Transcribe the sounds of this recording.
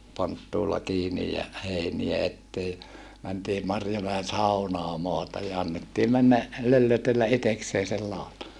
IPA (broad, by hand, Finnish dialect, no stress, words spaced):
pontːuːlːɑ kiːnij jɑ heiniæ etːeː mæntiː mɑrjomæen̞ sɑunɑː mɑːtɑj jɑ ɑnːetːiː mænːæ lølːøtelːæ ʔitekseː sel lɑˑotɑ